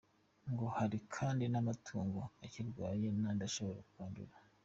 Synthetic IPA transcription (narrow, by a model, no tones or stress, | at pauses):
ŋɡo̞haɾikʰaːndinamatʰuːŋɡoaciɾɡwaːjenaːndaʃo̞βo̞ɾakuβaːndṵɾa